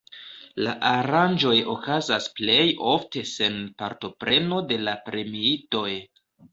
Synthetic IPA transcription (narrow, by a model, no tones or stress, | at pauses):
laʔaɾand͡ʒo̞jo̞kazasple̞jo̞fte̞se̞npaɾto̞pɾe̞no̞de̞lapɾe̞miito̞j